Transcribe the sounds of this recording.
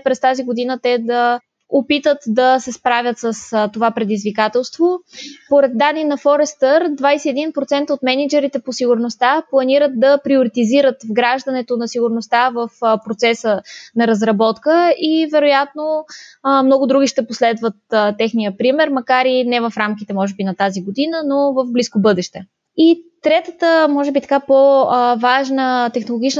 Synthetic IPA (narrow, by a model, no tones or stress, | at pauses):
pɾɛst̪aziɡod̪inət̪ɛd̪ɐ | opit̪ət̪d̪ɐsɛspɾavʲət̪səst̪ovapɾɛd̪izvikat̪ɛlˠst̪vopoɾɛd̪̚d̪anːinɐfɔɾɛst̪əɾd̪vajsɛɛd̪inpɾot̪sɛnt̪əot̪mɛnid͡ʒɛɾit̪ɛposiɡʊɾnost̪aplˠɐniɾət̪̚d̪ɐpɾioɾit̪iziɾət̪vɡɾaʒd̪ɐnɛt̪onɐsiɡʊɾnost̪avɐfpɾot̪sɛsənɐɾəzɾɐbɔt̪kəivɛɾojat̪no | mnɔɡʊd̪ɾuɡ̟iʃt̪ɛposlɛd̪vət̪ət̪ɛxnijəpɾimɛɾmɐkaɾinɛvɐfɾamkit̪ɛmɔʒɛbinɐt̪aziɡod̪inənovəvbliskobɤd̪ɛʃt̪ɛ | it̪ɾɛt̪ət̪əmɔʒɛbit̪ɐ̥kapovaʒnət̪ɛxnolˠoɡit͡ʃnə